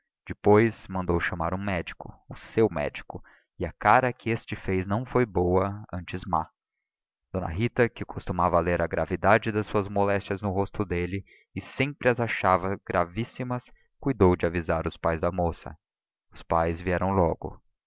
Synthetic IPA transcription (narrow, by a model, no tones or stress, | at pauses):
d͡ʒɪpojzmɐ̃nd̪owʃɐmaɾũmɛd͡ʒikʊʊsewmɛ̰d͡ʒikʊ | ɪɐkaɾɐkɪest͡ʃɪfejznɐ̃w̃fojbowɐɐ̃t͡ʃɪzma̰ | d̪̥õnɐ̰ɦit̪ɐkɪkʰost̪umavɐleɾɐɡɾa̰vid̪ad͡ʒɪd̪ɐssuɐzmolɛst͡ʃjɐznʊɦost̪ʊd̪elɪ | ɪsẽmpɾɪɐzaʃavɐɡɾavisimɐs | kujd̪owd͡ʒɪavizaɾʊspajzd̪ɐmosɐ̰ | ʊspajzviɛɾɐ̃w̃lɔɡʊ̰